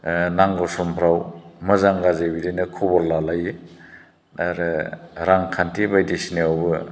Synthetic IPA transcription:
naŋɡɔsɔmpʰɾawmɯzaŋɡazebidinɯkʰubɔɾlalaje | aɾɯɾaŋkʰantʰibajdisneawbɯ

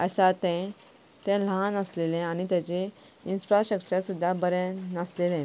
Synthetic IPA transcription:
əsat̪ɛ̃ | t̪ɛ̃lãnəslelẽanit̪jat͡ɕe | insfɾaɕəkɕəɾsud̪ʱːabəɾɛ̃naslelẽ

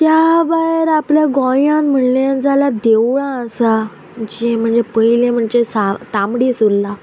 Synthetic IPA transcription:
t̪jabaɦɾapljaɡɔ̃jãnm̤əɳlẽnd͡zalad̪ewɭãəsa | d͡ʑem̤əɳd͡zepəjilẽm̤əɳd͡zesat̪amɽisulːa

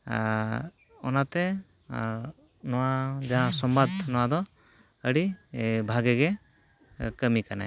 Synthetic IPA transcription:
ɔnat̪ɛ | nɔwad͡ʒaɦãsɔmbad̪̚ʰnɔwad̪ɔ | əɽibʱaɡɛɡɛ | kəmikana̰

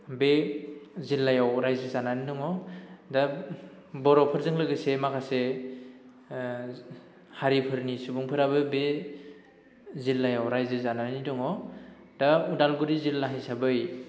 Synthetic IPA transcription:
be | zilːajawɾajzɯzananidɔŋɔda | bɔɾɔpʰɯɾzɯŋlɯɡɯsemakʰase | haɾipʰɯɾnisubuŋpʰɯɾabɯbe | zilːajawɾajzɯzananidɔŋɔ | daudalɡuɾizilːaɦajsabɯj

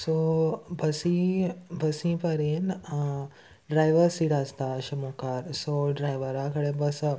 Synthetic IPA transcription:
sobʱɐsibʱɐsĩːpɐɾen | ɖɾaːjʋəɾsiɽaːst̪aʃɐmuːkaːɾsoːɖɾaːjʋəɾakɐɽẽbɐs

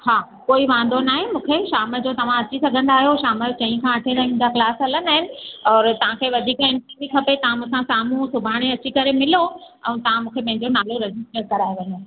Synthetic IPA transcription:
ɦaː | koːiʋãːn̆d̪onaːɦẽmũːkʰeʃaːməd͡ʑoːt̪ɐʋ̤ãɐt͡ɕisɐɡʱə̃nd̪aːɦijoʃaːmət͡ɕɐ̃ĩkʰãɐʈʰenɐɦĩːn̆d̪aklaːsɦɐlənaːɦɪnɪ̆ɔːɾt̪ɐʋ̤ãkʰeːʋɐd̪ʱiːkɛ̃mʈĩb̪ʱikʰɐpet̪ɐʋ̤ãmũɦsãsaːmũsʊbʱaːɽ̃eɐt͡ɕikɐɾemɪlo | ɛ̰̃t̪ɐʋ̤ãmũːkʰepɐ̃ɦɪ̃ɲd͡ʑonaːloɾɛd͡ʑɪsʈəʈ̚kɐɾaːjeʋɐ̃ɲo

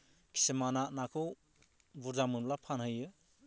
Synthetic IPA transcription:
kʰi̥semanaʔnakʰɯw | buɾzamɯnlapʰanhɯjɯ

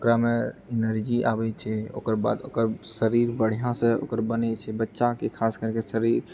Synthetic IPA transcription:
okɾameinəɾd͡ʒiʔa̰bɛt͡ʃʰɛo̰kəɾba̰d̪okəɾsəɾiɾbəɽ̤jãsẽo̰kəɾbənɛt͡ʃʰɛbətːʃakekʰaskəɾkesəɾiɾ

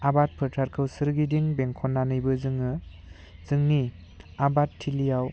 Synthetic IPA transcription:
abat̚pʰɯɾtʰaɾkʰɯwsɯɾɡidiŋbeŋkʰɔnːanɯjbɯzɯŋɯ | z̥ɯŋni | abatʰːilijaw

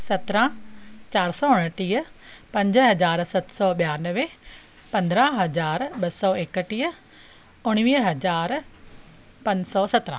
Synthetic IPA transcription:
sɐt̪ɾãt͡ɕaːɾsɔʊɽ̃əʈiːəpɐ̃ɲd͡ʑɦɐzaːɾsɐt̪sɔɓijaːnəʋe | pɐ̃nd̪ɾãɦɐzaːɾɓɐsɔeːkəʈiː | ʊɽ̃ʋiːɦɐzaːɾ | pɐ̃ɲd͡ʑsɔsɐt̪ɾə̰̃

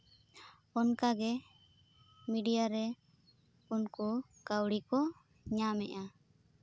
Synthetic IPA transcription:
ɔnkaɡɛ | miɖijaɾɛ | unku | kawɽikɔ | ɲamɛ̰ʔa

